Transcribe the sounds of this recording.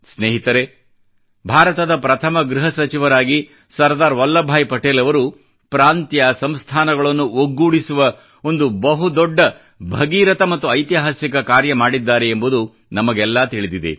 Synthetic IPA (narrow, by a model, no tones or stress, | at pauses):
sneːɦit̪ɐɾe | bʱaːɾɐt̪ɐd̪ɐpɾɐt̪ʰɐmɐɡɾiɦɐsɐt͡ʃiʋɐɾaːɡi | sɐɾd̪aːɾʋɐlːɐbʱaːjpɐʈeːlɐʋɐɾu | pɾaːnt̪jɐsɐmst̪ʰaːnɐɡɐɭɐnːuoɡːuːɽisuʋɐ | o̞nd̪ubɐɦud̪ɔɖːɐ | bʱɐɡiːɾɐt̪ɐmɐt̪ːuɐjt̪jaɦɐsjɐkɐkaːɾjɐmaːɽid̪ːaːɾeembud̪u | nɐmɐɡɛlːaːt̪iɭid̪id̪ḛ